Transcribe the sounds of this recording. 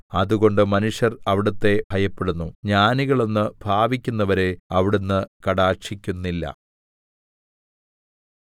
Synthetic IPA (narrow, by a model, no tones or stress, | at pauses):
ɐðuɣo̞ɳɖɨmɐnuʂjɐrɐʋiɽɐt̪ːe̞b̥ʱɐjɐpːe̞ɽunːuɲaːniɣɐɭo̞nːɨb̥ʱaːʋikʲːunːɐʋɐɾe̞ɐʋiɽunːɨkɐɽaːrʂikʲːunːilːɐ̰